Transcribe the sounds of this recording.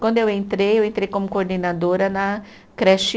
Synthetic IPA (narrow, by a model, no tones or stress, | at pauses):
kwɐ̃nd̪ʊewẽnt̪ɾejewẽnt̪ɾejkõmʊkoɾd̪enad̪oɾɐnɐ | kɾɛʃi